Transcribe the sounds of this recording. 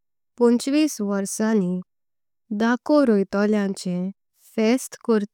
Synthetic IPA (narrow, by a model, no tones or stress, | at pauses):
pɔ̃nt͡ɕʋiːsʋəɾsãni | d̪akoɾojt̪ɔljãɲt͡ɕẽ | fesʈkɔɾt̪